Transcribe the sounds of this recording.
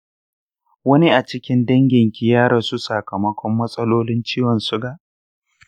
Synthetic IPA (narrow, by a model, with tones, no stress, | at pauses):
wɐ˦ni˦ʔa˨t͡ʃɪ˦kʲɪ˦ndɐ˦ŋɡʲɪ˨ŋkʲɪ˦jaː˦ɾɐ˨su˦sɐ˨kɐ˨mɐ˦kʷɔ˦mːɐ˦sʼɐ˦loː˦lɪ˦nt͡ʃiː˦wɐ˨nsʊ˦ɡaː˨ʔ